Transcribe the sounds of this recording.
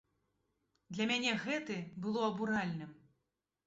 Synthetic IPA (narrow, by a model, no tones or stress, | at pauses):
d̪lʲɐmʲanʲɛɣɛt̪ɨbɨlˠɔɐbuɾalʲnɨm